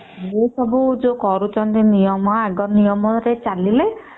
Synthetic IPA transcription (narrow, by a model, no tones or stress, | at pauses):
d͡ʒesɔbud͡ʒokɔɾut͡ʃʰɔnt̪inijɔmɔaɡɔnijɔmɔɾet͡ʃalile